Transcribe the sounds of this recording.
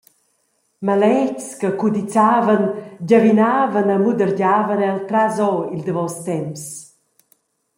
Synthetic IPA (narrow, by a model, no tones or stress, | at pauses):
malɛcskəkud̪it͡saːvənɟavinaːvənəmud̪əɾɟaːvənɛalt̪ɾazɔild̪əvɔst̪ɛms